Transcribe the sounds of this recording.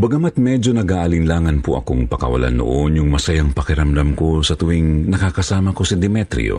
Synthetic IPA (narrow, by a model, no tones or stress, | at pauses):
bɐɡɐmat̪̚mɛd͡ʒo̞nɐɡaːʔɐlɪnlaːŋɐnpʊʔɐ̰koŋpɐkɐ̰wɐ̰la̰no̰ʔonjʊŋmɐsajɐŋpɐkɪɾɐmd̪ɐmko̞sɐt̪ʊwiŋnɐkakɐsaːmɐko̞sɐd̪ɪmɛt̪ɾɪ̰o̰